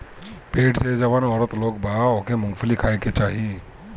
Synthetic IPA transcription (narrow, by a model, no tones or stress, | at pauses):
peːʈsed͡ʒəʋənɔːɾət̪loːɡbaːokemʊ̃ŋɡfʰlikʰaːeket͡ʃaːɦie